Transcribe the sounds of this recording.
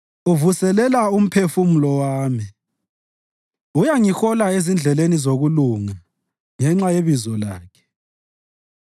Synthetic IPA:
uvusɛlɛlaum̩pʰefumulɔwaːmi | ujaŋixɔlaezind͡ɮʱɛlenizoɣuluŋa | ŋɛŋ͡ǁajeβizɔlaːkʰɛ̥

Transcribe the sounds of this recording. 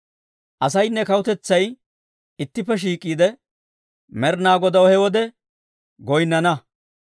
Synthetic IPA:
ʔɐsɐjnːɛkɐwʊt̪ɛt͡sːɐj | ɪt̪ːɪpːɛʃ̬iːkʼːiːd̪ɛ | mɛɾnaːɡɔd̪ɐwɔhɛwɔd̪ɛ | ɡɔjnːɐnɐ

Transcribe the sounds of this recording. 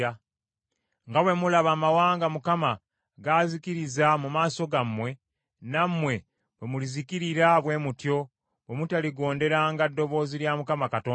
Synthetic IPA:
a | ŋɡawe̞mulaβaːmawaːŋɡamukama | ɡazikiɾizamumaːso̞ɡamːwe̞ | namːwe̞ | βwe̞mulizikiɾiɾaβwe̞mutjo̞ | βwe̞mutaliɡo̞ːnde̞ɾaŋɡadːo̞βo̞ːziljamukamakatoː

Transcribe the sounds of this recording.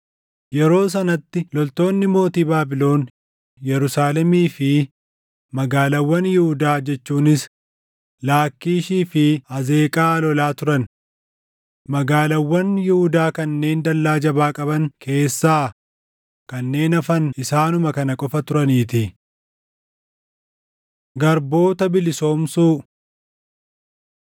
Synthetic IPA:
jɛɾo̞ːs̬ɐnɐt̪ːɪlɔlt̪o̞ːnːɪmo̞ːt̪iːbaːbɪlo̞ːn | jɛɾʊsaːlɛmiːfɪ | mɐɡaːlɐwːɐnjɪhʊd̪aːd͡ʒɛt͡ʃːuːnɪs | laːkːiːʃiːfɪɐze̞ːkʼaːlɔlaːt̪ʊɾɐn | mɐɡaːlɐwːɐnjɪhʊd̪aːkɐnːe̞ːnd̪ɐlːaːd͡ʒɐbaːkʼɐbɐŋkʰe̞ːsːaː | kɐnːe̞ːnɐfɐnɪsaːnʊmɐkɐnɐkʼɔfɐt̪ʊɾɐniːt̪ɪ | ɡɐɾbo̞ːt̪ɐbɪlɪso̞ːmsuː

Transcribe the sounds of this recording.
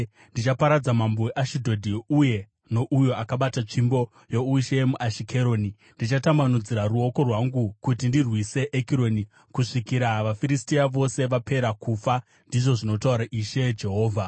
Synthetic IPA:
ndit͡ʃapaɾad͡zamambo̞weʔaʃidʱo̞dʱiuje̞ | no̞ʔujo̞akaɓatat͡ʂimbo̞ | jo̞uʃe̞muʔaʃikʰeɾo̞ːni | ndit͡ʃatamanud͡ziɾaruoko̞rwaŋɡukutindirwise̞ʔːkiɾo̞ni | kuʂikiɾaʋafiɾistiaʋo̞se̞ʋape̞ɾakufa | ndiʐo̞ʐino̞tauɾaʔiʃe̞d͡ʒe̞ɦo̞ːvʱa

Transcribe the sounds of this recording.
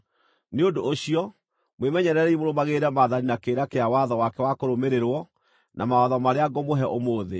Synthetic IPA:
neondoːɕiɔ | mwemɛɲɛɾɛɾɛimoɾomaɣeɾɛmaðaninakeɾakeawaðɔwakɛwakoɾomeɾeɾwɔ | nʔa̰maɔðɔmaɾeaɡomoɦɛʔomoːðḛ

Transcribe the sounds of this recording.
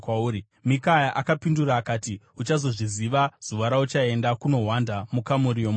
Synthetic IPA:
kwauːɾi | mikajaʔakapinduraːkaːtiut͡ʃazo̞ʐiziʋaz̥uʋaɾaut͡ʃae̞ndakuno̞ɦwandamukamuɾijom

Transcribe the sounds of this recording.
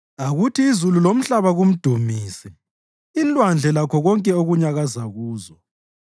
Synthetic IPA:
aɣutʰiːzululom̩ɬaβaɣum̩d̥ʱumiːsi | inlʼwand͡ɮʱɛlakʰɔɣɔŋkʼɛoɣuɲaɣazaɣuːzɔ

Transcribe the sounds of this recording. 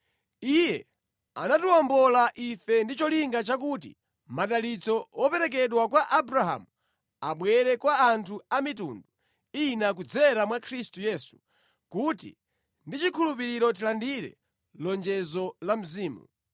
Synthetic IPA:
ijɛ | a̰natuɔmbɔlaʔifɛndit͡ʃɔliŋɡat͡ʃak̬utḭ | maɗalit͡sɔɔpɛɾɛk̬ɛɗwakwaʔabɾaɦa̰mu | aɓwɛɾɛkwaːntʰuamitṵndu | inak̬ud͡zɛɾamwakʰɾistujɛːsu̥ | kutḭ | ndit͡ʃikʰulupiɾiɾɔt̬ilandiɾɛ̰ | lɔnd͡ʒɛzɔlam̩ziːmṵ

